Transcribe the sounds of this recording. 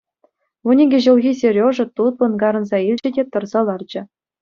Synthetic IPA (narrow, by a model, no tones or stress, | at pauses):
unʲiɡʲĕʑɤ̆lʲˠɣʲisʲerʲoʐɤ̆t̪ut̪̚ʋɤ̆nɡɑɾɤ̆nzɑilʲd͡ʑɘ̆dʲet̪ɤ̆rzɤ̆lˠɑrd͡ʑɘ̆